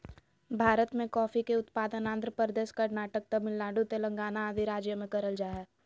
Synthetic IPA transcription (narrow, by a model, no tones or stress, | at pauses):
bʱaːɾət̪mẽkɔːfikeʊt̪paːd̪ənãːnd̪ɾəpəɾd̪eːʃkɐɾnaːʈək̚t̪ɐmɪlːaːɖut̪elɐ̃ŋɡaːnaːd̪ʱiɾaːd͡ʒjəmẽkɐɾəld͡ʒaːɦɛː